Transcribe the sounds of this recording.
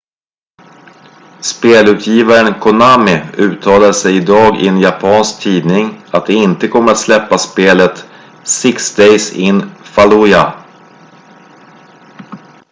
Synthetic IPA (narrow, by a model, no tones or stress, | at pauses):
speːlʉ̟ːt̪ʰjiːvaɾənkʰʊnaːmɪʉ̟ːt̪ʰɑːlaʂɛjɪd̪ɑːɡɪ̰ɛnjapʰɑːnsk̚t̪ʰiːd̪nɪŋat̪̚d̪ɛɪnt̪əkʰɔmːəɾat̪slɛpːaspeːlət̪ | sɪksd̪ejsɪnfalua